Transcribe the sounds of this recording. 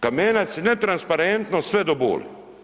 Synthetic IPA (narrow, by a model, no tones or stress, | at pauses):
kameːnasɛnɛt̪ɾanspaɾɛnt̪nɔsʋɛd̪ɔbo̰ːl